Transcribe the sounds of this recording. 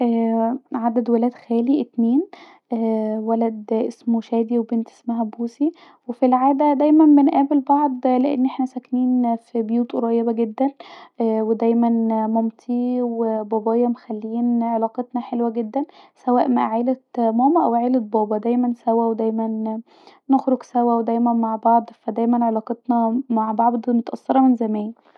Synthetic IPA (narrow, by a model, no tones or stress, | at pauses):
ʔæːʕad̪æd̪wælæːd̪xæːliʔet̪neːn | ʔæwælæd̪ʔesmoʃæːd̪iwebent̪ʔe̥smæɦæbuːsi | wefilʕaːd̪æd̪æjmænbenʔæːbelbɑʕd̪ˤleʔḛnːʔeħnæsækniːnfibejuːt̪ɾˤɑjːebæɡed̪ːænʔwed̪æjmænmomt̪ʰiwebɑːbɑːjːɑmexælːiːnʕelɑːqet̪nɑħelwæɡed̪ːænsæwæːʔmæʔæʕeːlet̪mɑːmæʔæwʕeːlet̪̚bɑːbɑd̪æjmænsæwæwed̪æjmæn | noxɾoɡsæwæwed̪æjmænmaʕbɑʕd̪ˤfæd̪æjmænʕelɑːqet̪nɑmaʕbɑʕd̪ˤnot̪ʔɑsːɑɾˤɑmenzæmæːjæ